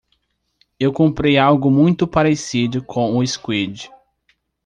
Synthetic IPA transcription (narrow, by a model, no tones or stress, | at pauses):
ewkõmpɾejawɡʊmũj̃t̪ʊpaɾesid̪ʊkʰõw̃ʊɪskwed͡ʒɪ